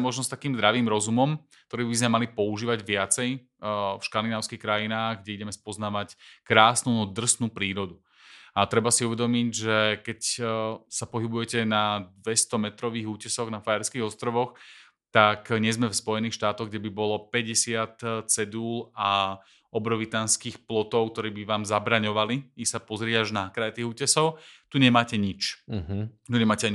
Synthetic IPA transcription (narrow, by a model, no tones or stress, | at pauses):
mɔʒnɔst̪akiːmzd̪ɾaʋiːmɾɔzumɔm | k̚t̪ɔɾiːbizmɛmalipɔuʒiːʋaɟʋɪat͡sɛj | fʃkand̪inaːʊskixkɾajinaːɣɡɟɛiɟɛmɛspɔznaːʋackɾaːsnuːd̪r̩snuːpɾiːɾɔd̪u | at̪ɾɛbasiuʋɛd̪ɔmiɟʒɛkɛcsapɔɦibujɛcɛnad̪ʋɛst̪ɔmɛt̪ɾɔʋiːɣuːcɛsɔɣnafajɛɾskiːɣɔst̪ɾɔʋɔx | t̪akɲɛzmɛfspɔjɛniːxʃt̪aːt̪ɔɣɡɟɛbibɔlɔpɛɟɛsɪat̪t͡sɛd̪uːla | ɔbɾɔʋit̪anskiːxplɔt̪ɔʊk̚t̪ɔɾiːbiʋaːmzabɾaɲɔʋaliisapɔzɾɪɛaʒnakɾajɛt̪iːɣuːcɛsɔʊt̪uɲɛmaːcɛɲit͡ʃ | t̪uɲɛmaːcɛaɲi